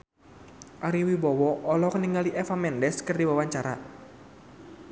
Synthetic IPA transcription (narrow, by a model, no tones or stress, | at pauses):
ʔaɾiwibɔwɔʔːlɔkəniŋɡaliʔɛfamɛndɛskərdiwawaɲt͡ʃaɾa̰